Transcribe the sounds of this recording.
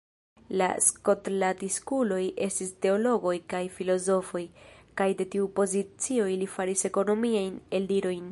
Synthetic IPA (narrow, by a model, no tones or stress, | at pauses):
la̰sko̞tlatiskulo̞je̞stiste̞o̞lo̞ɡo̞jkajfilo̞zo̞fo̞jkajde̞tiupo̞zit͡sio̞jlifaɾise̞ko̞no̞miajne̞liɾo̞jn